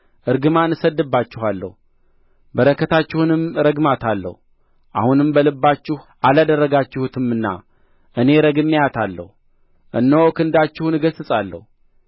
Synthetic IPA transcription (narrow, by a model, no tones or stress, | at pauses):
ʔɨɾɡɨmanɨsəd̪ːɨbːat͡ʃːɪhalːə̰hu | bəɾəkʰːət̪ʰat͡ʃːɪhunɨmɾəɡmat̪ʰalːə̰hu | ʔa̰hunɨmbəlɨbːat͡ʃːɪh | alad̪ərːəɡat͡ʃːɪhut̪ʰɨmɨnːa̰ | ʔɨne̞ɾəɡɨmːijat̪ʰalːə̰hu | ʔɨnːəwkʰɨnd̪at͡ʃːɪhunɨɡəsɨsʼalːə̰hu